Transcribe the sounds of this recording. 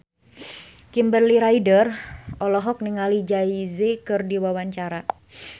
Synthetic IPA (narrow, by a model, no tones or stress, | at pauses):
kimbərliɾaidərʔɔlɔɦɔk̚niŋalid͡ʒaizekɨrdiwawaɲt͡ʃaɾa